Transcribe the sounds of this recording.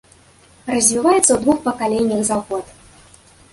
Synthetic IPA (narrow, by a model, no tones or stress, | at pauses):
rɐzʲvʲivajɛt̪sːɐwd̪vuxpɐkalʲɛnʲːɐɣzaɣɔt̪